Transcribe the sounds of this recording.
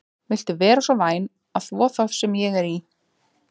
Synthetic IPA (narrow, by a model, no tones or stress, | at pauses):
vɪl̥t̪ɪvɛːɾasvɔvaːjn | aðθvɔːθað̥sɛmjɛɣɛɾi